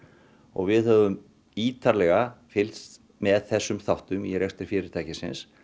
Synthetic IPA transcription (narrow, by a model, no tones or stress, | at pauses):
ɔ̰ɣvɪðhœvʏm | iːt̪ʰaɾlɛɣafɪlst̪ | mɛðθɛsːʏmθawht̪ʏmiɾɛxst̪ɪɾ̥fɪːɾɪɾ̥t̪ʰajcɪsɪ̰ns